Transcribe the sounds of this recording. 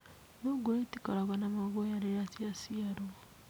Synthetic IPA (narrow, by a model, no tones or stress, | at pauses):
noɡoetikaɾaβanamaβojaɾeɾatiasiaɾo